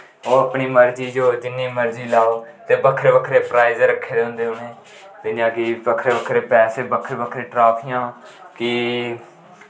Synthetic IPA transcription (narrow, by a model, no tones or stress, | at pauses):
oːəpɳiːməɾd͡ʒiːd͡ʒoːd͡ʒɪnːiːməɾd͡ʒiːlaːoː | t̪eːbəkʰɾeːbəkʰɾeːpɾaːizɾəkʰːeːd̪eːɦʊ̃nd̪eːɦʊneː | t̪ɪd͡ʒãːkɪbəkʰɾeːbəkʰɾeːpɛːseːbəkʰəɾbəkʰɾeːʈɾaːpʰɪjãː | kɪ